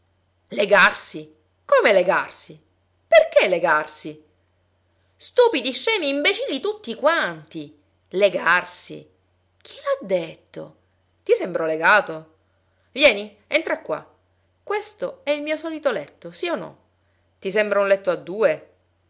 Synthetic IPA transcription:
leɡarsi | komeleɡarsi | perkeleɡarsi | st̪uːpid̪iʃɛmiːmbet͡ʃilːit̪ut̪ːikwant̪i | leɡarsḭ | k̟ʰi̥lad̪ːet̪ːo̰ | t̪isɛmbɾoleɡaːt̪o | vjɛːni | ent̪ɾakːwa̰ | kwest̪oɛilmiːosɔːlit̪olɛt̪ːosionɔ̰ | t̪is̬embɾaunlɛt̪ːoad̪ːuːe

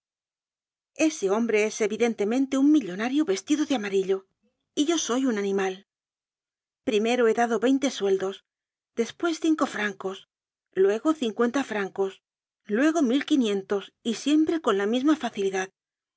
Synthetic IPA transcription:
e̞se̞o̞mbɾe̞e̞se̞βiðe̞nt̪e̞mẽ̞nt̪e̞uŋmiʎo̞naɾjo̞βe̞st̪iðo̞ðeamaɾiʎo | iʝo̞so̞junanĩmal | pɾime̞ɾoe̞ðaðo̞βe̞jnt̪e̞swe̞ld̪o̞s | d̪e̞spwe̞sθiŋko̞fɾaŋko̞s | lwe̞ɣo̞θiŋkwe̞nt̪afɾaŋko̞s | lwe̞ɣ̞o̞milkinjẽ̞nt̪o̞sisje̞mpɾe̞ko̞nlamizmafaθiliðað

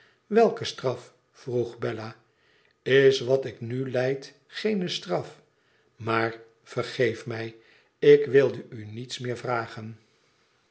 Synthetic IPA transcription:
ʋɛlˠkəstrɑf | fruχbɛla | ɪsʋɑtɪknylɛjt | χejnəstrɑf | maːr | v̥ərχejfmɛj | ɪkʋɪlˠdəynitsmɪːɹvraːχən

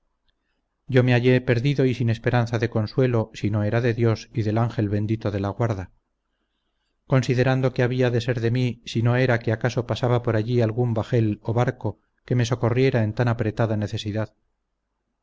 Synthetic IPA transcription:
ɟ͡ʝo̞me̞aʝe̞pe̞ɾðiðo̞isine̞spe̞ɾanθaðe̞ko̞nswe̞lo̞sino̞e̞ɾaðe̞ðjo̞siðe̞laŋxe̞lβe̞nd̪it̪o̞ðe̞laɣwaɾða | ko̞nsiðe̞ɾand̪o̞keaβiaðe̞se̞ɾðe̞misino̞e̞ɾakeakaso̞pasaβapoɾaʎialɣumbaxe̞loβaɾko̞ | ke̞me̞so̞ko̞rje̞ɾae̞nt̪anapɾe̞t̪aðane̞θe̞siðað

